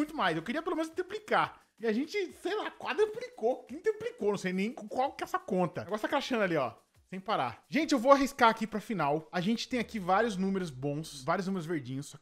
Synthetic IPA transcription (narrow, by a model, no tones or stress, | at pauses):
ũj̃t̪ʊmajsewkeɾiɐpelomẽnʊzt̪ɾiplika | iaʒẽnt͡ʃɪsejlakwad̪ɾeplikokẽj̃t̪ɾiplikonɐ̃w̃sejnẽj̃kkwawkɪɛsɐkõnt̪ɐɡɔɾst̪aɐkɛlaʃɐ̃nɐaliɔ̰ | sẽj̃paɾa̰ʒẽnt͡ʃɪewvoaɦiskaakipɾɐfinawaʒẽnt͡ʃɪ̥t̪ẽj̃akivaɾjʊznũmeɾʊzbõsvaɾjʊznumeɾʊzveɾd͡ʒĩɲʊsɔ